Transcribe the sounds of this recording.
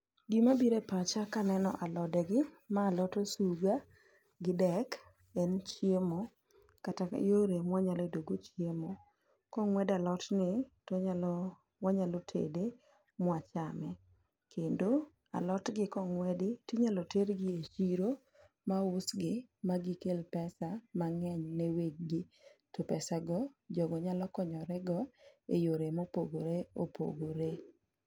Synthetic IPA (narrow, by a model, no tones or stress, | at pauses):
dimabiɾepat͡ʃakanɛnɔ̰ʔalɔdɛɡɪ | maːlɔtosuɡa | ɡɪdɛk | ɛnt͡ʃjemɔ | katajoɾemwaɲalɔdoɡot͡ʃjemo | kɔŋwɛdalɔtnɪtoɲal | mwaɲalɔtʰḛde | mwat͡ʃamɛ | kendo | a̰lɔtɡɪkɔŋwɛdɪtiɲalɔteɾɡɪet͡ʃiɾo | maʊsɡɪmaɡɪkelpɛsamaŋɛɲneweɡ̚ɡɪtopɛsaɡɔd͡ʒɔɡɔɲalɔkɔɲɔɾɛɡɔḛjoɾemopoɡoɾeo̰pʰo̰ɡoɾe